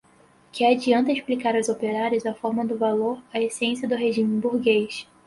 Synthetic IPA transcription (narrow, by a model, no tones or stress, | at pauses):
kɪad͡ʒiɐ̃nt̪ɐiʃplikaɾɐwzopeɾaɾjʊzɐfɔɾmɐd̪ʊvaloɾɐesẽsiɐd̪ʊɦeʒĩmẽbuɾɡejʃ